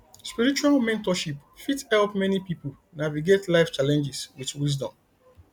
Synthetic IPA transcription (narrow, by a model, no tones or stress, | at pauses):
spiɹit͡ʃualmɛ̃ntɔʃipfithɛlpmɛnipipul | naviɡetlaɪft͡ʃalɛ̃nd͡ʒiswitwizdɔ̰̃m